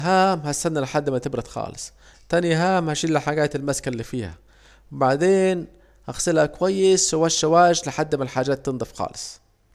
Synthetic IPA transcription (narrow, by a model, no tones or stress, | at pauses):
ɦaːmhast̪anːalɪħad̪ːɪmat̪ɪbɾɑt̪xɑ̰ːlɨsˤ | t̪anjɦaːmhaʃiːlɪħaɡaːt̪ɪlmaskalːiːfiːha̰ | wbaʕd̪eːn | haxsɪlhakʊwajːɪsʊwaʃːawaːʒlɪħad̪ːɪmalħaːd͡ʒaːt̪ːɨnd̪ˤɑfxɑ̰ːlɨsˤ